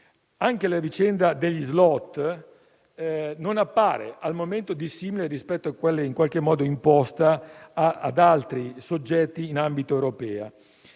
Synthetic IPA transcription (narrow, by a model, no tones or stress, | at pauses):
aŋk̟elavit͡ʃɛnd̪ad̪eʎːizlɔt̪ː | nonapːaːɾḛʔalmoment̪od̪isːiːmileɾispɛt̪ːoakwelːeiŋkwalk̟emːɔːd̪oimpɔst̪aː | d̪alt̪ɾisod͡ʒːɛt̪ːiːnambit̪oewɾopɛːa̰